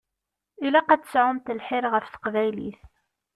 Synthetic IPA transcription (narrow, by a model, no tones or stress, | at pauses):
ilæqæt̪ːə̥sʕʊmt̪əlħɪɾʁəfθə̥qvæjliθ